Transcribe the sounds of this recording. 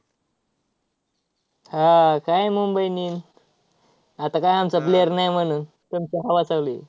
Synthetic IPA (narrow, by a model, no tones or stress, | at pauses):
hakajmumbəjnin | at̪akajamt͡sap̬leəɾnajmənun | t̪əmt͡ɕaɦaʋasawlḭ